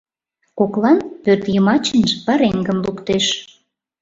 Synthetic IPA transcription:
koklɑnpørt̪jəmɑt͡ɕə̆nʒəpəɾeŋɡə̆mlukt̪eʃ

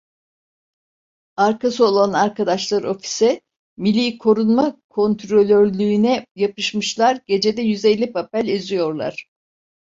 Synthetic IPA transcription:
aɾkʰasɯo̞lˠanaɾkʰad̪aʃlˠaɾo̞fi̥sɛ | milʲiːkʰo̞ɾunmakʰo̞nt̪ʰɾo̞lʲøɾlʲyːnɛjapɯʃmɯʃlˠaɾɟe̞d͡ʒe̞d̪ɛjyze̞lʲːipʰapælʲezijo̞ɾlˠa̰ɾ̥

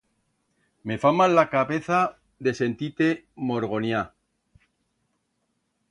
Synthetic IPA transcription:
me̞famalːakaβe̞θa | ðe̞se̞nt̪it̪e̞mo̞ɾɣo̞nja

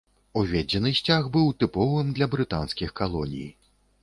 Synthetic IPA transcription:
uvʲɛd͡zʲɛnɨsʲt͡sʲaɣbɨwt̪ɨpɔvɨmd̪lʲɐbɾɨt̪anskʲixkalˠɔnʲḭj

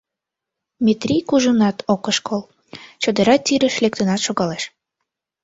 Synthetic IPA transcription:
mʲet̪rʲijkuʒənɑt̪ʰokəʃkʰol | t͡ɕod̪əɾɑt̪ːiɾəʃlek̚t̪ənɑt̪ʃoɣɑleʃ

